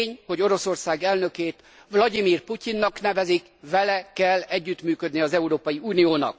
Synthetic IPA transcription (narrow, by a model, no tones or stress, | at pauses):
ɲho̞ɟo̞ɾo̞so̞rsaːɡɛlnø̞keːt̪ | vlɒd̪imiːrpucinːɒkn̪ɛvɛzik | vɛlɛkɛlːɛɟːyt̪myːkød̪niɒzɛuɾoːpɒjiuːnijoːnɒ̰k